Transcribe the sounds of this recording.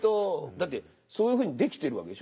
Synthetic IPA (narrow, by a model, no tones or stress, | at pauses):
t̪od̪at̪ːe̞ | so̞ːjɯ̟ɸɯːɲ̟id̪e̞kʲi̥t̪e̞ɾɯ̟βa̰ke̞d̪e̞ɕ